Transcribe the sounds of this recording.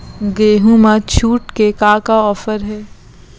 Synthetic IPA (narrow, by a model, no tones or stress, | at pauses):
ɡeːɦũmãt͡ʃʰuːʈkekaːkaɔːfəɾɦɛː